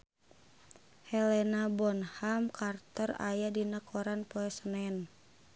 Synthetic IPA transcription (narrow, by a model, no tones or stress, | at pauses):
hɛlɛnabɔnhamkart̪ɔra̰jadinəkʰɔɾanpɔɛsnɛn